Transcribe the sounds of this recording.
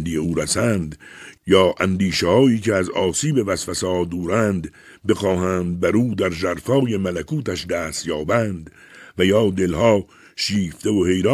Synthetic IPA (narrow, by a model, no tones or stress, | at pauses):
nd̪ijeuːɾæsæːnd̪jɒːʔænd̪iːʃehɒːiːceæzɒːsiːbe̞væsfæsɒːdd̪uːɾæːnd̪ | be̞xɒːɦæːnd̪̚bæɾuːd̪æɾzæɾfɒːje̞mælækʰuːt̪æʃd̪æːst̪jɒːbæːnd̪ | væjɒːd̪e̞lhɒː | ʃiːft̪e̞ohe̞jɾɑː